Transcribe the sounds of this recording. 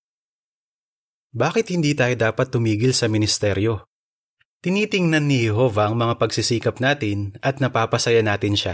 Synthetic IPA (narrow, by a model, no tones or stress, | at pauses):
baːkɪt̪̚hɪnd̪iːt̪aːjo̞d̪aːpɐt̪ːʊmiːɡɪlsɐmɪnɪst̪ɛɾjo̞ | t̪ɪniːt̪ɪŋnɐnːɪhɛɦo̞vɐʔɐŋmɐŋapɐɡsisiːkɐpnaːt̪ɪnʔɐt̪̚nɐpaːpɐsɐjɐnaːt̪ɪnʃa